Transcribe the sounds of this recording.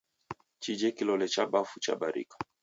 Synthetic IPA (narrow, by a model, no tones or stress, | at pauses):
t͡ʃid͡ʒɛkilɔlɛt͡ʃabafut͡ʃa̰ɓaɾḭkḁ